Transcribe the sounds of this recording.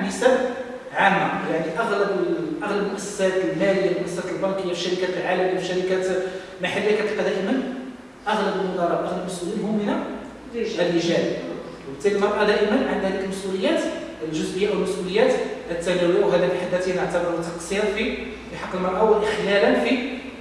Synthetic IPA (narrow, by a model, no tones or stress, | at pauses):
nəsæb | ʕamːajaʕniʔɑɣləbʔɑɣləbmʊʔæssæt̪lmæləjːamʔæsæt̪əlbɑnkəjːafiʃɑɾəkælʕalæmifiʃɑɾəkæt̪ | maħalːiakæt̪qæd̪æʔəmən | ʔəɣləbəlmʊd̪ɑɾˤɑʔʔɑɣləbməsʔulinɦʊmːna | əlʔiʒæli | t̪ːæləlmɑɾˤʔɑd̪æʔəmənʕand̪hæd̪ikəlmæsʔuləjːæt̪lʒʊzʔəjːaʔwlmæsʔuləjːæt̪ət̪ːæniwiɦæd̪ækħad̪ːæt̪jnəʕt̪ɑbɑɾˤwt̪ːɑqsiɾfi | fiħɑqːəlmɑɾˤʔɑwəʔəxlælənfi